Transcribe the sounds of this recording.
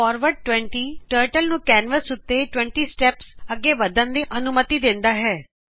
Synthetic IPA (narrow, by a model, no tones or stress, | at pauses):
ɔːɾʋəɖ̚ʈʋɛ̃ɳʈiʈəːɾʈəlnũkɛːnʋəsʊt̪ːeʈʋɛ̃ɳʈisʈɛpsəɡeʋəd̪ənd̪eʔɐnʊmət̪id̪ẽːnd̪aɦɛː